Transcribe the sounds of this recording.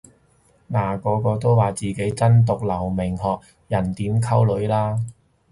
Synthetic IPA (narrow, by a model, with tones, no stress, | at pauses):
naː˨˩kɔː˨˧kɔː˧t̪o˥wwaː˨t͡siː˨ke˨˥jt͡sɐ˥nt̪ʊ˨k̚lɐ˨˩wmɪ˨˩ŋɦɔː˨k̚ | jɐ˨˩nt̪iː˨˥mkʰɐ˥wlɵ˨˧˥ɥlaː˥